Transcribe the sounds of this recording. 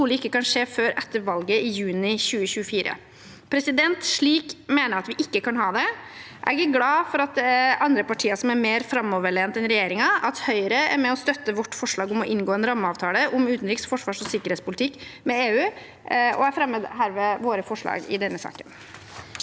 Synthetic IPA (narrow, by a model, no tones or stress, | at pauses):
ulɪkːəkɑnʂeːføːɾʔɛt̪ːəɾʋɑlɡəɪjʉːnɪçʉːəɕʉːəfiːɾə̰ | pʰɾɛsɪd̪ɛnt̪ʂɭiːkmeːnəɾɑt̪ʋɪʔɪkːəkʰɑnɦɑːd̪ɛ | ʔæ̰ɡəɡlɑːfɔɾɑt̪̚ɑnd̪ɾəpɑʈʰiːəʂɔmæɾmeːɾfɾɑmːɔʋəɭeːnt̪ɛnɾɛjeːɾɪŋɑɑt̪hœʏəɾəæ̰ɾmɛɔst̪œt̪ːəʋɔʈːfɔʂɭɑːɡʊmɔʔɪnɡoːɛnɾɑmːəɑːʋt̪ʰɑːləʔʊmʉːt̪nɾiːksfɔʂʋɑːʂɔsɪkːəɾɛtspʊlɪt̪ʰɪkːmɛeːʉː | ɔ̰æɾfɾɛmːəd̪ɦæːɾʋɛʋoːɾəfɔʂɭɑ̰ːɡɪ̰d̪ɛnːəsɑ̰ːkən